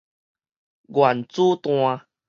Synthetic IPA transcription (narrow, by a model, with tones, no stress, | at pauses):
ɡwa˨˩nt͡su˦t̪w̃ã˧